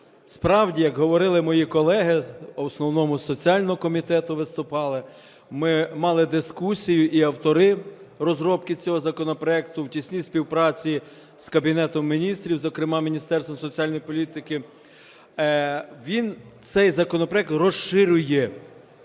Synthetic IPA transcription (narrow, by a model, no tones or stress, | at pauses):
spɾɑwdʲijɐkɦɔʋɔɾɪlˠɪmɔjikɔlˠɛɦɪɔsnɔwnɔmʊsɔt͡sʲiɑlʲnɔɦɔkɔmʲit̪ɛt̪ʊʋɪst̪ʊpɑlˠɪ | mɪmɑlˠɪd̪ɪskusʲijʊʔiɐwt̪ɔɾɪrɔzɾɔpkɪt͡sʲɔɦɔzɐkɔnɔpɾɔɛk̚t̪ʊwtʲisʲnʲisʲpʲiwpɾɑt͡sʲi | z̥kɐbʲinɛt̪ɔmːʲinʲist̪ɾʲiwzɔkɾɪmɑmʲinʲist̪ɛrst̪ʋɐmsɔt͡sʲiɑlʲnɔjipɔlʲit̪ɪkɪ | ʋʲint̪sɛjzɐkɔnɔpɾɔjɛk̚t̪rɔʃɪɾʲʊjɛ